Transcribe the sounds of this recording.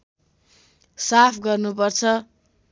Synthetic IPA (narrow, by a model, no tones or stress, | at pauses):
sapʰɡʌrnupʌrt͡sʰʌ